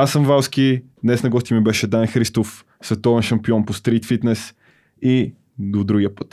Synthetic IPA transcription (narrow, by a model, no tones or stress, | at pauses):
asːɐɱvawskʲid̪nɛsnɐɡɔst̪ʲimibɛʃɛd̪anxɾist̪of | svɛt̪ɔvɛnʃɐmpiɔnpost̪ɾit̪fit̪nɛs | i | d̪od̪ɾuɡiəpə̥t̪